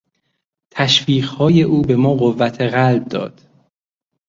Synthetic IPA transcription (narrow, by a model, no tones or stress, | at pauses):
t̪ʰæʃviːɣhɒːje̞ʔuːbe̞mɒːɣovːæt̪ʰeɣælb̚d̪ɒ̰ːd̪̥